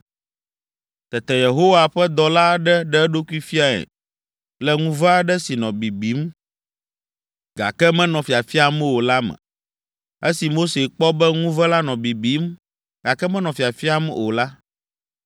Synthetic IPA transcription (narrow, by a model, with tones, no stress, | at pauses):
t̪ɛ˨t̪ɛ˨je˨ɦo˦wa˨ɸɛ˦d̪ɔ˨la˦ɖɛ˦ɖɛ˦ɖo˦ku˦i˦fi˦a˨ɛ̰˨ | lɛ˦ŋũ˦vɛ˦a˦ɖɛ˦si˨nɔ̃˨bi˨bi˨˦m | ɡa̰˨kɛ˦mɛ̃˦nɔ̃˨fi˨a˨fi˦a˨mɛ̃˦wo˨la˦mɛ̰̃˨ | e˦si˨mo˦se˨k͡pɔ˦bɛ˦ŋũ˦vɛ˦la˦nɔ̃˨bi˨bi˨˦m | ɡ̥a˨kɛ˦mɛ̃˦nɔ̃˨fi˨a˨fi˦a˦mɛ̰˦o̰˨la˦